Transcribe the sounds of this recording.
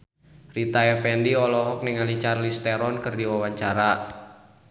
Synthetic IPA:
rit̪aɛpɛndiɔlɔɦɔk̚niŋalit͡ʃarlist̪ɛɾɔnkɨrdiwawaɲt͡ʃaɾa

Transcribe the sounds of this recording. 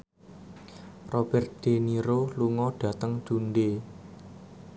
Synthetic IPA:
rob̥ɛrt̪̚d̪̥eniɾoluŋɔɖ̥ä̤t̪əŋd̥unɖe

